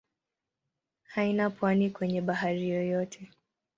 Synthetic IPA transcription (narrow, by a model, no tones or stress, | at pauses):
hainapwanikwɛɲɛɓaɦaɾijɔjɔtʰɛ